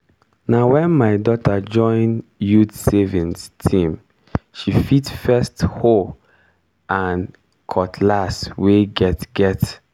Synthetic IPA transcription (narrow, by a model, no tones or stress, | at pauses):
nawɛ̃nmaɪdɔtʰad͡ʒɔ̃ɪ̃njudsevĩnstʰĩm | ʃifitfɛstho | ãn | kʰɔtʰlasweɡɛtɡɛt